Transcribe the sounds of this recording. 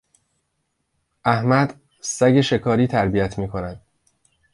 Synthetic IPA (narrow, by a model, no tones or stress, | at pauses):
ʔæhmæd̪ | sæɟe̞ʃe̞kʰɒːɾiːt̪ʰæɾbijæt̪ʰmiːkʰo̞næd̪̥